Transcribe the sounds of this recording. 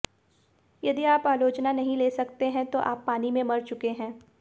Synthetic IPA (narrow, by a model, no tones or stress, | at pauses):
jɐd̪iaːpaːloːt͡ʃnanɐɦĩleːsɐkt̪eɦɛ̃t̪oʔaːpːaːnimẽmɐɾt͡ʃʊkeɦɛ̃ː